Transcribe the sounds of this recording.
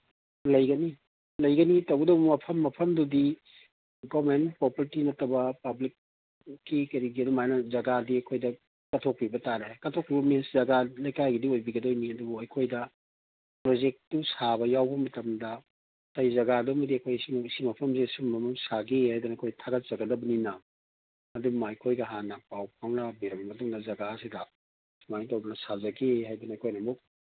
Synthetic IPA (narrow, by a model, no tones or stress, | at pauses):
lɐjɡɐni | lɐjɡɐnitɐwɡɐdɐwbumɐpʰɐmːɐpʰɐmdudi | ɡomenpopɐɾtinɐtːɐbɐpɐblik̚ː | ikɐɾiɡiɐdumajnɐzɐɡadiɐkʰojdɐ | kɐtʰok̚pibɐtaɾekɐtʰok̚pibɐmeszɐɡalɐjkajɡidiojbiɡɐdojniɐdubuɐjkʰojdɐ | pɾod͡ʒek̚tusabɐjawbɐmɐtɐmdɐ | tɐjzɐɡadumɐdiɐkʰojsimisimɐpʰɐmsesumbɐmɐmsaɡehajdunɐɐkʰojtʰaɡɐt̚zɐɡɐdɐbɐninɐ | ɐdumɐɐjkʰojɡɐɦanɐpawpʰaŋɾɐbiɾɐmbɐmɐtuŋdɐzɐɡasidɐ | smanitɐwdunɐsazɐɡeɦajdunɐːkʰojnɐmuk̚